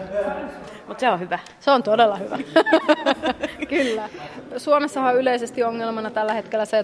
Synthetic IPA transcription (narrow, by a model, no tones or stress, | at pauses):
mut̪seohyʋæ | seont̪odelːɑhyʋæ | kylːæsuomesːɑhɑyleisest̪ioŋːelmɑnɑt̪ælːæhe̞t̪kelːæse